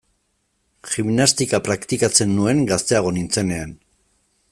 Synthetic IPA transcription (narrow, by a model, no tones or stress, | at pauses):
ximnast̪ikapɾakt̪ikat͡se̞nːue̞ŋɡast̪e̞aɣ̞o̞nint͡se̞ne̞an